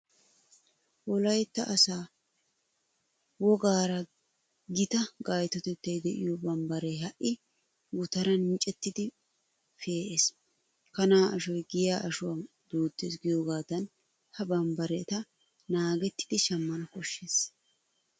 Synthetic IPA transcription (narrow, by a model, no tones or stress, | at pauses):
wɔlɐjt̪ːɐʔɐsaː | wɔɡaːɾɐ | ɡɪt̪ɐɡaːjt̪ɔt̪ɛt̪ːɐjd̪ɛʔɪ̰jobɐmbɐɾeɦɐʔɪ | ɡʊt̪ɐɾɐnmɪt͡ʃʼːɛt̪ːɪd̪ɪ | feːʔeːs | kɐnaːʔɐʃɔjɡɪjaːʔɐʃʊɐ | d̪̥uːt̪ːḛːsɡɪjoːɡaːd̪ɐn | hɐbɐmbɐɾɛt̪ɐ | naːɡɛt̪ːɪ̥d̪ɪʃɐmːɐnɐkɔʃːeːs